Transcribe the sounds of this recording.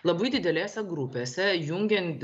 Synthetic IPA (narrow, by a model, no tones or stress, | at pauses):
lˠɐbɐɪd̪ʲɪd̪ʲɛlʲeːsʲɛɡɾʊpʲeːsʲɛjʊŋʲɡʲɛnʲt̪ʲ